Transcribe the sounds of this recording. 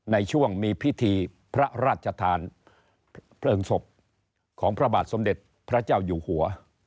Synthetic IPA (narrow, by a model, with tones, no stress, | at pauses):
na˧jt͡ɕʰu˥˩əŋmiː˧pʰi˦˥t̪ʰiː˧ | pʰɾa˦˥ɾaː˥˩t̪̚t͡ɕʰa˧t̪ʰaː˧n | pʰlɤː˧ŋso˨˩p̚ | kʰɔː˩˦ŋpʰɾa˧baː˨˩t̪̚so˩˦mde˨˩t̪̚ | pʰɾa˦˥t͡ɕaː˥˩wjuː˨˩hu˩˦ɐ